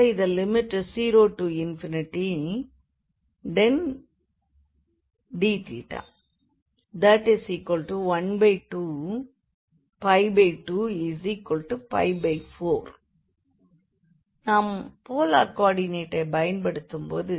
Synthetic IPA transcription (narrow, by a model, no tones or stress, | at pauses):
ɪðɐlɪmɪʈːsiːɾoːʈuɪnfɪnɪʈi | ɖɛn | ɖiːt̪ḭʈːa̰ | d̪ɐʈːɪsiːkɔlʈuʋɐnbeɪʈu | fɐɪbeɪʈːuːɪsikːɔlʈːufɐ̰ɪbɐɪfoːɾ | nãːmpoːla̰ːɾkaːɖɪneːʈːɐbɐjɐnpɐɽɯt̪ːɯmpo̰ːðɯ